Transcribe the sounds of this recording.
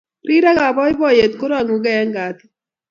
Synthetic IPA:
ɾi˦ɾa˦ɣa˨βɔ˦i˦bɔ˦je˨t̪̚ku˦ɾa˨ŋu˨ɡɛ˦ɛ˦ŋɡa˨t̪i˦

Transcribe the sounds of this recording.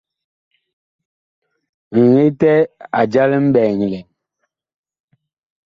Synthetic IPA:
ŋ̩˨ŋe˦tɛ˦a˨d͡ʒa˦lɛ˦m̩˦bɛː˨ɲi˨lɛ˨

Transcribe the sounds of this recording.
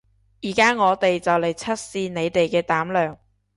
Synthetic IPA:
jiː˨˩kaː˥ŋɔː˨˧t̪e˨jt͡sɐ˨wle˨jt͡sʰɐ˥t̚siː˧ne˨˧jt̪e˨jkɛː˧t̪aː˨˥mlœː˨ŋ

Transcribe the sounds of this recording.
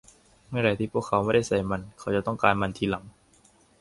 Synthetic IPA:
ma˥˩˨ɾa˧˩t̪iː˧˩pʰu˥˩əkʰːa˨˧˦wma˥˩jda˥˩jsa˧˩jma˧nkʰa˨˦wt͡ɕa˨˩t̪ɔ˥˩ŋkaː˧nma˧nt̪ʰiː˧˩la˩˦ŋ

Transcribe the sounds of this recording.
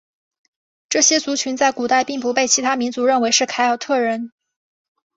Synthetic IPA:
ʈ͡ʂɤ˥˩ɕjɛ˥t͡su˧˥t͡ɕʰy˧˥nt͡sa˥˩ɪku˨˩t̪a˥˧ɪpi˥˩ŋpu˧˥pe˥˩ɪt͡ɕʰi˧˥t̪ʰa˥mi˧˥nt͡su˧˥ɻə˥˩nwe˧˥ɪʂɻ̩˥˩kʰa˧˥ɪɑ˨˩ʊt̪ʰɤ˥˩ɻə˧˥n

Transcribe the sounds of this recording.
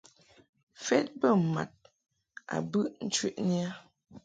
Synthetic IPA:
fɛ˦t̚bə˦˨ma̰˨t̚ | a̰˨bɨ˦ʔn̩˦t͡ʃɥi˦ʔnja˦

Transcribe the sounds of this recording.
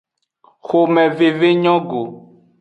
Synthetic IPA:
xo˨mɛ̃˨ve˨ve˦ɲɔ̃˦ɡo˨

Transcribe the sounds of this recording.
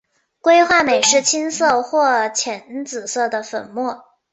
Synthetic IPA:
kwe˥ɪxwa˥˩me˨˩ɪʂɻ̩˥˩t͡ɕʰi˥nsɤ˥˧xwɔ˥˩t͡ɕʰjɛ˧˥nt͡sɹ̩˨˩sɤ˥˩d̪ə˩fə̰˨˩nmwɔ˥˩

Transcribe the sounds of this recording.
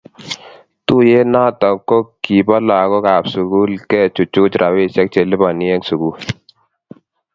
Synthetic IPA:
tu˦jɛ˦naː˦˨tɔ˨kːɔ˦ki˨ba˦laː˨kɔ˦kaː˨psu˨ku˦lkɛ˦˨t͡ʃu˨t͡ʃːu˦ku˦t͡ʃɾʔa˨we˦sɛ˦k̚t͡ʃe˨lɪ˦ba˨ni˦ɛ˦ŋsu˨ku˦

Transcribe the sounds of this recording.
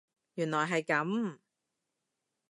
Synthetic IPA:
jyː˨˩nlɔː˨˩jɦɐ˨jkɐ˨˥m

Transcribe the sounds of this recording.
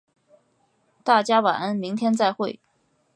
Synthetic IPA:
t̪a˥˩t͡ɕja˥wa̰˨˩ə˥nmi˧˥ŋt̪ʰjɛ˥nt͡sa˥˧ɪxwe˥˩ɪ

